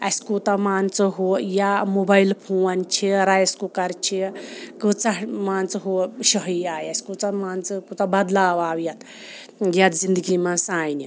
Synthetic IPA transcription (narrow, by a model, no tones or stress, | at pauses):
ɐsʲkut̪ɐmaːnt͡sɨɦoːjamobɐilpʰoːnt͡ʃʰiɾajskukɐɾt͡ʃʰikɨt͡sɐmaːnt͡sɨɦoʃɐɦiaːjɐsʲkut͡sɐmaːnt͡sɨkut͡sɐbɐd̪laːʋaːwjɐt̪ʰ | jɐt̪zind̪əɡimɐ̃nsaːjnʲi